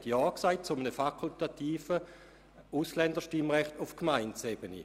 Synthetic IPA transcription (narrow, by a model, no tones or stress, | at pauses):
tjɑːksaɪt̚t͡sʊmənəfakʰultat̪iːfə | uslɛndəʃtimʁɛχtʊfkmaɪnt͡sebənḭ